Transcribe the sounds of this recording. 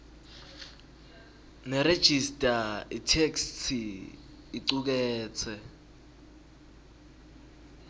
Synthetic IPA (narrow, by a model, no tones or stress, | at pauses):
nɛɾed̥ʒ̥ʱistʼaitʰekstʰi | iǀuk̬ɛːt͡sʰɛ